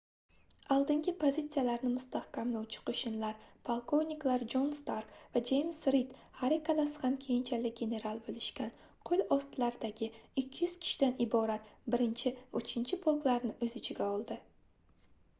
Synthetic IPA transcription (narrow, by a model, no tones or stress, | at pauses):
alˠd̪ɪŋɡʲɪpʰozʲit̪sijalaɾnɪmʊst̪ahkʲʰamlawt͡ʃʰɪ̥qʰoʃɪnlaɾpʰalˠkʰo̞vniklaɾd͡ʒo̞nst̪aɾkvad͡ʒe̞jmsɾit̪haɾikʰalasɪ̥hamkʲʰe̞jɪnt͡ʃʰalɪk̚ʲɡʲe̞ne̞ɾalˠbolɪʃkʲan | qʰolʲɒst̪laɾɪd̪aɡʲɪɪkʲʰːɪjʏz̥kʲʰɪ̥ʃɪd̪anɪbɒɾat̪bɪɾɪnt͡ʃʰɪʊt͡ʃʰɪnt͡ʃʰɪpʰolˠklaɾnɪɵzɪt͡ʃʰɪɡʲaɒlˠd̪ɪ